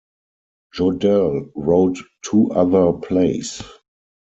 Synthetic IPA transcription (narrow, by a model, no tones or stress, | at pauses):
d͡ʒɔdɛlɹoʊtʰː | uːʔaðə˞pʰleɪs